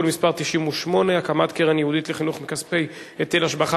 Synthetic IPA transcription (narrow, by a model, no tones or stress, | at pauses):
olmispaʁt̪iʃimuʃmo̞ne̞akamatkeʁenjehud̪itleχinuχmikaspej | et̪elaʃbaχa